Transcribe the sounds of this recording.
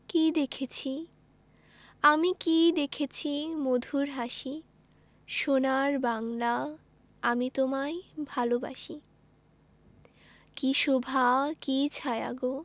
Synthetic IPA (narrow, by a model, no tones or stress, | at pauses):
kid̪ekʰet͡ɕʰi | amikid̪ekʰet͡ɕʰimod̪ʱuɾɦaʃi | ʃonaɾbaŋla | amit̪omaebʱaloba̰ʃi | kiʃobʱakit͡ɕʰaja̰ɡo